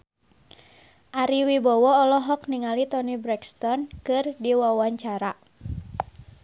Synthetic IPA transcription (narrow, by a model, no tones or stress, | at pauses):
ʔaɾiwibɔwɔːlɔɦɔk̚niŋalit̪ɔnibɾɛkst̪ɔnkɨrdiwawaɲt͡ʃaɾa